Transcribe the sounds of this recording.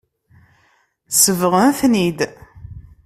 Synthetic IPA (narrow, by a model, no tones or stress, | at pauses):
səvʁəmθnid̪